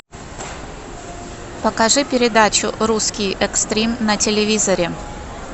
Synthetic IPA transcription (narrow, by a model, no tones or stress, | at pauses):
pəkɐʐɨpʲɪɾʲɪd̪at͡ɕʊ̰ɾuskʲɪjʔɛkst̪ɾʲimnɐtʲɪlʲɪvʲizəɾʲɪ